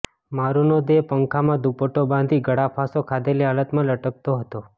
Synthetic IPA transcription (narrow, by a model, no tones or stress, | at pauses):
maɾunod̪epəŋkʰamãd̪upoʈobãnd̪ʱiɡʱəɽapʰasokʰad̪eliɦalət̪mãləʈək̚t̪oɦət̪o